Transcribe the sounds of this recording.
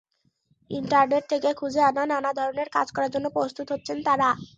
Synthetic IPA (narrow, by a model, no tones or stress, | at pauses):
ḭɳʈaɾneʈ̚t̪ʰekekʰud͡ʑʱeanananad̪ʱɔɾoneɾka̰d͡ʑkɔɾaɾd͡ʑonːopɾost̪ut̪ɦot̪ːɕʰent̪aɾa